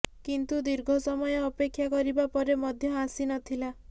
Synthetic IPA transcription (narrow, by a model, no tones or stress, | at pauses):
kint̪ud̪iɾɡʱɔsɔmɔjɔːpekʰːjakɔɾibapɔɾemɔd̪ʱjɔasinɔt̪ʰila